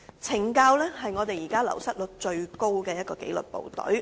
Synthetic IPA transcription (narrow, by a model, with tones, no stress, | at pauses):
t͡sʰɪ˨˩ŋkaː˧wlɛː˥hɐ˨jŋɔ˨˧t̪e˨jiː˨˩kaː˥lɐ̰˨˩wsɐ˥t̚lɵ˨k̚t͡ʃɵ˧ɥko˥wkɛː˧jɐ˥t̚kɔː˧ke˨˥jlɵ̰˨t̚po̰˨wt̪ɔ̰˨˥ɥ